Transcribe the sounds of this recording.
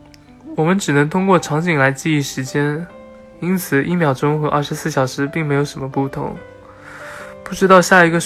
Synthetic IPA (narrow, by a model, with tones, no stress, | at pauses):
wɔ˨˩mə˦nʈ͡ʂɻ̩˨˩nɤ˧˥ŋt̪ʰʊ˥ŋkwɔ˥˩ʈ͡ʂʰɑ˧˥ŋt͡ɕi˨˩ŋla˧˥ɪt͡ɕi˥˧i˥˩ʂɻ̩˧˥t͡ɕjɛ˥n | i˥nt͡sʰɹ̩˨˩ʔḭ˥˩mjɑ˨˩ʊʈ͡ʂʊ˥ŋxɤ˧˥ɐ̰˥˩ʂ̩˧˥sɹ̩˥˩ɕjɑ˨˩ʊʂɻ̩˧˥pi˥˩ŋme˧˥ɪjo˨˩ʊʂə˧˥nmə˧pu˥˩t̪ʰʊ̰˧˥ŋ | pu˥˩ʈ͡ʂɻ̩˥t̪ɑ˥˧ʊɕja˥˩i˧˥ɡə˧